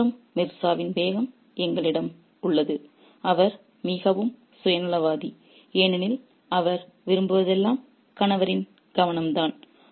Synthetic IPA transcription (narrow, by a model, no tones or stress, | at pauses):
ɯmːɪɾsaːʋɪnʋeːɣɐm | ɛŋɡɐɭɪɽɐm | ʊɭːɐðɯ | ɐʋɐɾ | miːɣɐʋɯm | sʊjɐnɯɭɐʋaːði | eːnɪnɪl | ɐʋɐɾ | ʋɪɾɯmbɯʋɐðɛlːaːm | kɐnɐʋɐɾɪn | ɡ̥ɐʋɐnɐmd̪aːn